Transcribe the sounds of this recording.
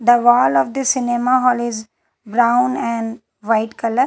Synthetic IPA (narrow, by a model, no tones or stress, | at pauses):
d̪əʋɔːlɔʋd̪isɪnemaɦɔːlɪz | bɾãʊ̃nɛ̃ɳɖ | ʋaɪʈkɐləɾ